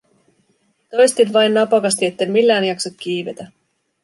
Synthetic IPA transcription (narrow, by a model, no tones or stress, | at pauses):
t̪o̞jst̪inʋɑjnːɑpɑkɑst̪ie̞t̪ːemmilːæːnjɑksok̪kiːʋe̞t̪æ